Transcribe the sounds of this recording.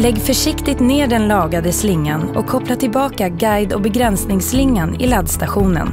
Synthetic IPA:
lɛɡːfœʂɪkt̪ɪt̪neːɖɛnlɑːɡad̪əslɪŋːanɔ̰kkʰːɔplaʈʰɪlbɑːkaɡajd̪ɔbɛɡɾɛnsnɪŋslɪŋːanɪ̰lad̪st̪aɧuːnə̰n

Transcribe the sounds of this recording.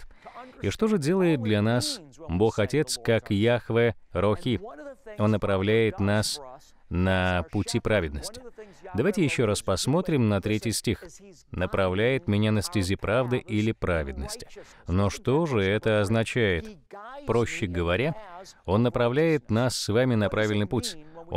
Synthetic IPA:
iʂt̪o̞ʐɨdʲe̞lˠəjɪt̪̚d̪lʲɐnasbo̞xɐtʲe̞t̪skakjaxvɨɾoxʲio̞nːəpɾɐvlʲæjɪt̪nas | nəpʊtʲipɾavʲɪd̪nəsʲtʲɪ̥d̪ɐvajtʲɪjɪɕːo̞ɾaspɐsmo̞t̪ɾʲɪmnɐt̪ɾʲetʲɪjsʲtʲix | nəpɾɐvlʲæjɪt̪mʲɪnʲanəsʲtʲɪzʲipɾavd̪ɨʔilʲɪpɾavʲɪd̪̚nəsʲtʲɪ̥ | no̞ʂt̪o̞ʐɨɛt̪əɐznɐt͡ɕæjɪt̪pɾo̞ɕːɪɡəvɐɾʲao̞nːəpɾɐvlʲæjɪt̪nasːvamʲɪnɐpɾavʲɪlʲnɨjputʲo

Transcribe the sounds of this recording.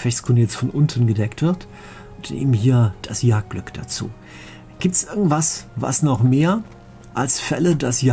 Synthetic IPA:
fɛçskuːnəjɛt͡stfɔnʔʊntʰn̩ɡədɛktv̥ɪɐt | ʊnnḛːbm̩nhiːɐd̥asjaːk̚ɡ̥lʏkd̥a̰t͡sṵː | ɡ̥iːp̚tsʔɪɐɡŋ̩tv̥asva̰snɔχmeːɐ | ʔalsfɛlədasj

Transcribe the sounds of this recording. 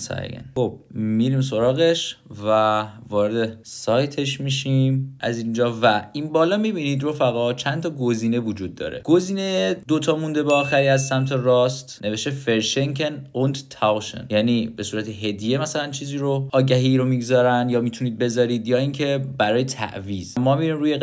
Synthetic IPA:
sɒ̰j̰ɡḛnxob̥̚miɾiːms̬o̞ɾɒːɣe̞ʃvævɒːɾed̪e̞sɒːjt̪ʰe̞ʃmiʃimʔæzind͡ʒɒːvæinbɒːlɒmibiniːd̪ɾofæɣɒt͡ʃʰænt̪ʰɒɡo̞ziːne̞vud͡ʒuːd̪ːɒ̰ːɾe̞̰ɡ̥o̞ziːne̞jed̪ot̪ʰɒːmund̪e̞beɒːxæɾiæzsæmt̪ʰe̞rɒst̪nʔe̞ve̞ʃt̪e̞fe̞ɾʃe̞ŋkʰenond̪t̪ʰæwʃḛnjæniːbe̞suːɾæt̪ʰe̞ɦe̞d̪ije̞mæsælænt͡ʃʰiːziːɾoʔɒːɟæɦiːɾomiɡzɒːɾænd̪jɒːmiːt̪ʰuniːd̪̚be̞zɒːɾiːd̪jɒːiːŋcʰe̞bæɾɒːjet̪ʰæ̰ʔviːz̥mɒːmiɾiːmɾuːje

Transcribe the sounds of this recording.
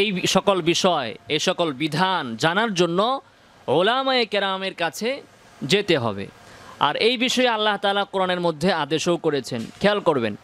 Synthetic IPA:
ejʃɔkolbiʃɔeejʃɔkolbid̪ʱand͡ʑanaɾd͡ʑonːo | olamaekeɾameɾkat͡ɕʰe | d͡ʑet̪eɦɔ̰bḛa̰ɾejbiʃɔealːaɦt̪aːlakoɾaneɾmod̪ʱːead̪eʃowkoɾet͡ɕʰenkʰɛalkoɾbḛn

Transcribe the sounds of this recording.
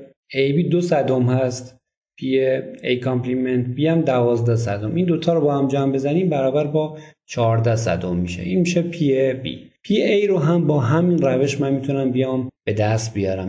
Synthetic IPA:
ejbiːd̪osæd̪omhæst̪ | pʰieejkʰompliment̪̚biæmd̪ævɒːzd̪æs̬æd̪omʔind̪ot̪ʰɒːɾobɒːhæmd͡ʒæːmbe̞zæniːmbæɾɒːbæɾbɒːt͡ʃʰɒːɾd̪æsæ̰d̪omːiʃḛʔinmiːʃepʰiebḭːpʰiejɾoɦæmbɒːɦæminræveʃmænmit̪ʰunæmbijɒːmb̥e̞d̪æst̪̚bijɒːɾæm

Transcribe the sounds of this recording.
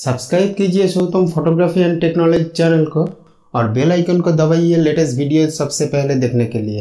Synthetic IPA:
sɐbskɾaːɪb̚kid͡ʒiesoːt̪əmpʰoːʈoːɡɾaːfiɛ̃nʈeːknɔːlɔd͡ʒit͡ʃɛːnəlko | ɔːɾbeːlaːɪkənkod̪ɐbaːieleːʈəsʈʋʱiːɖijosɐbsepɛɦled̪eːkʰnekelie

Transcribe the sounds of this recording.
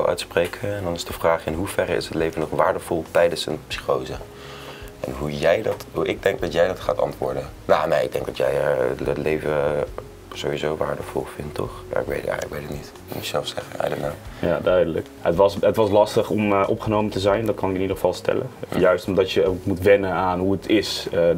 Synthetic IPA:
lˠʔœ̰ɥtspreːkʰəɛndɑnɪsd̥əv̥raːχɪnɦuv̥ɛrəɪ̰sətlejvənɔχʋaːɹdəv̥ɔlˠtɛjdənsə̰npsi̥χowzə | ɛnɦujɛjdɑtɦuʔɪɡ̚dɛŋɡ̚dɑtjɛjdɑtχa̰ːtɑ̰ntʋʊ̰ːɹdə | naːnejɪɡ̚dɛŋɡdɑtjɛ̰jətlejvə | z̥owʋizowʋa̰ːɹdəvɔ̰lˠfɪntʰːɔ̰χja̰ɪkʋḛjtɛ̰ələkbejtətnit | mutsɛlˠfsɛχəɛ̰jdətnawja̰ːdœɥdələk | ətʋɑsətʋɑslɑstəχɔmʔɔpχənowməntəzɛjndɑt̚kɑnɪkɪnidəχəv̥ɑlˠstɛ̰lə̰jœɥstɔmdɑtjəokmutʋɛnənaːnɦuətʰɪsə

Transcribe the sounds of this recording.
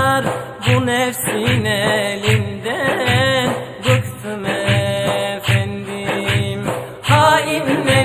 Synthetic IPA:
ɾ | bunɛfsinɛlind̪ænbɯkt̪ʰɯmɛ | fænd̪im | hainːɛ

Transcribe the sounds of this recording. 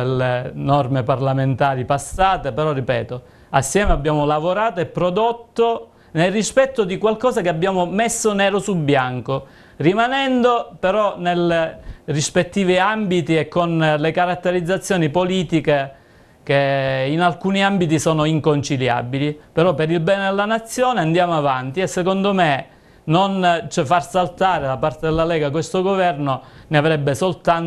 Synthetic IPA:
elenɔrmeparlament̪aːɾipasːaːt̪epeɾɔrːipɛ̰ːt̪o | asːjɛːmeabːjaːmolavoɾaːt̪oepːɾod̪ot̪ːo | nelrispɛt̪ːod̪ikwalkɔːzakeabːjaːmomesːonɛːɾosulbjaŋko | rimanɛnd̪opeɾɔnelerispet̪ːiːviambit̪iekːonlekaɾat̪ːeɾid̪zːat̪sːjoːnipoliːt̪ike | keinalkuːniambit̪̬isɔːnoiŋkont͡ʃilja̰bilipeɾɔpːeɾilbɛːned̪elːanat̪sːjoːneand̪jaːmoavant̪iesːekond̪ome | nont͡ʃɛfarsalt̪aːɾed̪apart̪ed̪elːalɛːɡakwest̪oɡovɛrnoneavɾɛbːesolt̪an

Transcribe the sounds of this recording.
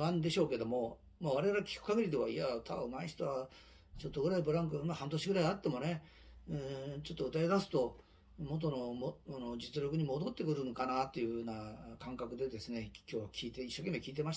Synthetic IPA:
ãnd̪e̞ɕo̞ːke̞d̪o̞mo̞ | maβaɾe̞βaɾakʲi̥kɯ̟̥kaɡeɾʲid̪e̞βaiat̪ʰaɯmaiç̥t̪oβa | t͡ɕo̞t̪ːoɡɯɾaibɯ̟ɾãŋkɯmahãnt̪o̞ɕiɡɯ̟ɾaiat̪ːe̞mo̞ne̞ | ɯ̃t͡ɕo̞t̪ːoɯ̟t̪aed̪asɨ̥t̪o̞ | mo̞t̪̬o̞nomoanod͡ʑit͡sɨɾʲo̞kɯ̟ɲ̟imo̞d̪o̞t̪ːe̞kɯ̟ɾɯnokanat̪ːe̞iɯ̟hɯ̟ːnakãŋkakɯ̟d̪e̞d̪e̞sɨne̞kʲo̞ːβakʲʰiːt̪eiɕːo̞ke̞mːekʲiːt̪̬e̞maɕ

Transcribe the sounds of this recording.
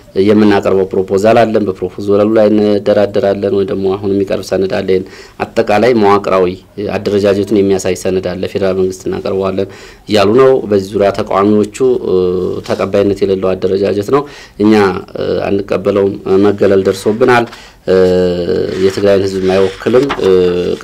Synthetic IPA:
jɛmːɨnːakʼəɾβəwpʰɾopʰo̞zəlalːənbəpʰɾo̞pʰozəɾəlulajɨnːd̪ːəɾad̪əɾalːənwɔjd̪əɡmo̞aɦunjɛmːikʼə̰ɾbsənːɨd̪a̰lːəɪn | ʔa̰t̪ʼːəkʼalajmawakʼɾawi | a̰d̪ːəɾəd͡ʒad͡ʒɛt̪ʰunjɛmːijasajsːənːɨd̪alːəfe̞d̪əɾalməŋɡɨst̪ʰɨnːa̰kʼə̰ɾbəwalːən | ɨjːalunəwbəzːizuɾjat̪ʰəkʼa̰wamiwo̞t͡ʃːu | t̪ʰəkʼəbːajinːət̪jɛləlːəwad̪ːəɾəd͡ʒad͡ʒɛt̪nəw | ʔɨɲːaa̰nːɨkʼːəbːələwmməɡələld̪əɾso̞bːɨnal | jɛt̪ʰɨɡlajnhɨzbmajwɔkʰːɨlɨmː

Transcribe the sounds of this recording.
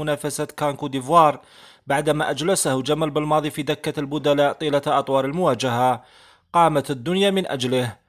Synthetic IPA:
ʊnæfæsat̪kɑnkud̪ivwɑɾˤ | baʕd̪mæʔæd͡ʒləsahd͡ʒæmælbəlmɑd̪ˤifid̪əkːalbʊd̪ælæʔt̪ˤilat̪ʔɑt̪ˤwɑɾˤəlmʊwæd͡ʒəɦa | qɑːmət̪əd̪ːʊnjamənʔæ̰d͡ʒləh

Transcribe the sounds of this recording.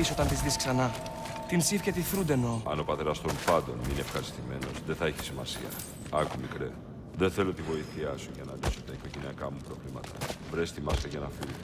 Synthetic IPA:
iso̞t̪ɐnt̪izðisksɐnɐ | t̪insifcet̪iθɾund̪enoɐno̞pɐt̪e̞ɾɐst̪omupɐnd̪o̞nmineefxɐɾist̪ime̞no̞zðeθɐeçi̥simɐsiɐ̰ | ɐkumikɾe | ðeθe̞lo̞t̪ivo̞iθiɐsuʝɐnɐlisot̪ɐiko̞ʝeniɐkɐmupɾo̞vlimɐt̪ɐvɾest̪imɐst̪eʝɐnɐfilo

